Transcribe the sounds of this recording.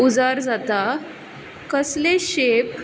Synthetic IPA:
ud͡zaɾd͡zat̪a | kəsleɕep

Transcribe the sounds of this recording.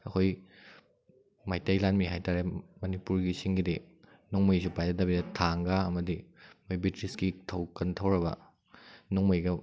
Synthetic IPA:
ɐkʰoj | majtajlanmiɦajtaɾemɐnipuɾɡisiŋɡidi | nɔŋmɯjsupajzɐt̚dabiɐtʰaŋɡaɐmɐdimojbitɾisɡitʰɐwkɐntʰɐwɾɐbɐ̰ | nɔŋmɯjɡɐ

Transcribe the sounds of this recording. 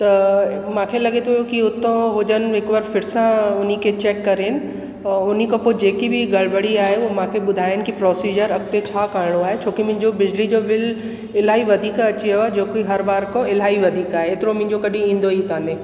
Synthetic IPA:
t̪ɐmãːkʰelɐɡet̪ʰujokiʊt̪õɦʊd͡ʑənɪ̆ɦɪkʋəɾfɪɾɪsãʊn̤ikʰet͡ɕeːkːɐɾeːnɪ̆ | ʊnikʰãpod͡ʑeːkibɪɡɐɭbəɽiaːɦeumãːkʰeɓʊd̪ʱaːjəɽ̃ɪ̆kipɾɔːsiːd͡ʑəɾɐɡt̪et͡ɕʰaːkaːɾɪɽ̃oaːɦet͡ɕʰoːkimʊ̃ɦɪ̃ɲd͡ʑobɪd͡ʑlid͡ʑoʋɪl | ɪlaːiʋɐd̪ʱiːkɐt͡ɕiɐad͡ʑoːkiɦɐɾbaːɾkõɪlaːiʋɐd̪ʱiːkaːɦeːt̪ɪɾomɪ̃ɦɪ̃ɲd͡ʑokɐɗĩĩːnd̪oit̪aːnẽː

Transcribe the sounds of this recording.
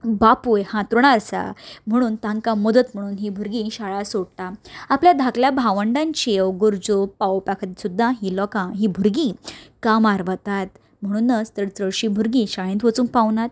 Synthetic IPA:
bapujhãt̪ɾuɳ̃aɾsa̰m̤əɽ̃uːnt̪ãŋkãməd̪ət̪m̤əɽ̃uːnɦibʱuɾɡĩɕaɭasoɽt̪aapljad̪ʱakljabʱaʋəɳɖãɲt͡ɕiewɡoɾd͡zopawopakʰət̪isud̪ʱːãɦilɔkãɦibʱuɾɡĩkamaɾʋət̪at̪ | m̤əɽ̃uːnːət͡st̪əɽt͡səɭɕĩbʱuɾɡĩɕaɭẽnt̪ʋət͡sũŋk̚pawnat̪̚

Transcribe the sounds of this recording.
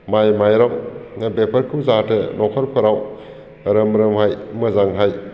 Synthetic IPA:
majmajɾɔŋnabepʰɐɾkʰɯwzatɯnɔkʰɔɾpʰɐɾaw | ɾɯmɾɯmhajmɐzaŋɦaj

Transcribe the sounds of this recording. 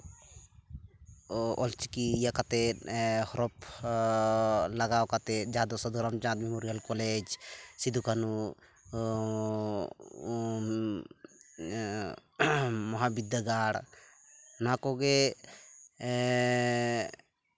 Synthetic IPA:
ɔlt͡ʃikijakat̪ɛhɔɾɔp | laɡawkat̪ɛd͡ʒaad̪ɔsɔd̪ɾamt͡ʃãt̪mɛmoɾijalkɔlɛd͡ʒsid̪ukanu | mɔɦabid̪aɡaɽ | nakɔɡɛ

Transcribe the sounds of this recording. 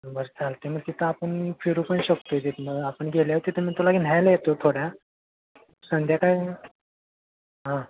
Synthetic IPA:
bəɾt͡salt̪eməɡ̚t̪it̪ʰəapəɳfʰiɾupəɳɕəkt̪ot̪eməɡapəɳɡʱeljaot̪it̪ʰəmiːt̪ulaɡinajlajet̪ot̪ʰoɽja | sənd̪ʱjakaj | ɦã

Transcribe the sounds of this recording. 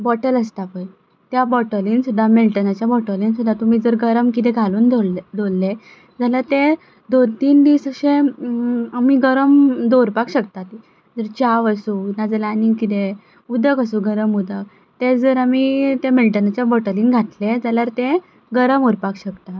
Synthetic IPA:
bɔʈələst̪apəj | t̪jabɔʈəliːnsud̪ʱːamelʈənat͡ɕjabɔʈəliːnsud̪ʱːat̪um̤iːd͡zəɾɡəɾəmkit̪̬ẽɡʱaluːnd̪od̪olːe | d͡zalaɾt̪e | d̪ont̪iːnd̪isəɕẽ | amiɡəɾəmd̪oɾpakɕək̚t̪at̪i | d͡zəɾt͡ɕaʋəsunad͡zəlaniŋkit̪̬e | ud̪ʱəkəsuɡəɾəmud̪ʱək̚ | t̪ed͡zəɾamit̪emelʈənat͡ɕjabɔʈəliːnɡʱat̪led͡zalaɾt̪ẽ | ɡəɾəmuɾpakɕəkt̪at

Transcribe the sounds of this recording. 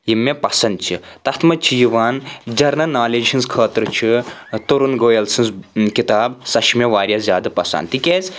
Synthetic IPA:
jimːepɐsɐnd̪̚t͡ʃʰit̪ɐt̪ʰmɐt͡ʃʰijiʋaːnd͡ʒɐɾnɐnaːlid͡ʒt͡ʃʰinzkʰəːt̪ɾɨt͡ʃʰit̪oɾunɡoːjɐlsinzkit̪aːbsɐʃmeʋaːɾʲjazʲjaːd̪ɐpɐsa̰ːnt̪ikʲez

